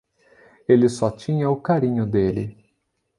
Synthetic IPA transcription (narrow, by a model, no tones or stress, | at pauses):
elɪsɔt͡ʃĩɲɐʊkaɾĩɲʊd̪elɪ